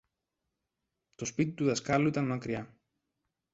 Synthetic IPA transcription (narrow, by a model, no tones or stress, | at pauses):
t̪o̞spit̪it̪uðɐskɐluit̪ɐnmɐkɾiɐ